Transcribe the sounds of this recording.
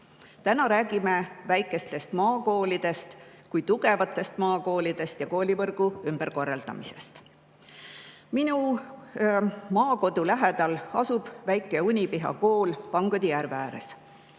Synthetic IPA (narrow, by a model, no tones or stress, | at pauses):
t̪ænɑɾæːɡ̥imevæjkːˑe̞st̪e̞st̪mɑːko̞ːlid̪̥e̞st̪ | kujt̪uɡ̥e̞vɑt̪ˑːe̞st̪mɑːko̞ːlid̪̥e̞st̪jɑko̞ːlʲivɤrɡ̥uymb̥eɾko̞rːɑld̪̥ɑ̰mise̞̰st̪ | minu | mɑːko̞d̪̥ulæɦe̞d̪̥ɑlɑsub̥væjkːˑe̞unʲipiɦɑ̰ko̞ːlpɑŋɡ̥ud̪̥ijæɾvæːɾḛs